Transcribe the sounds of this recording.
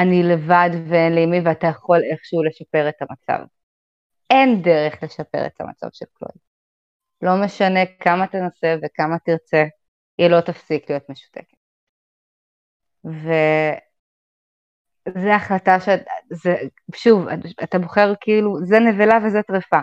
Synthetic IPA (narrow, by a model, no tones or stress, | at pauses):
anile̞vadveenleimiveatajaχo̞le̞χʃeule̞ʃape̞ʁetamat͡sa̰v | endeʁeχle̞ʃape̞̰ʁḛtʰa̰ma̰t͡sa̰vʃelklo̰id | lo̞meʃane̞kamatenasevekamatiʁt͡se | jɛlo̞tafsiklijo̞tme̞ʃu̥teke̥t | ve | zeaχlataʃezeʃuva̰atabo̞χeʁkiiluzenevelavezɛtʁifa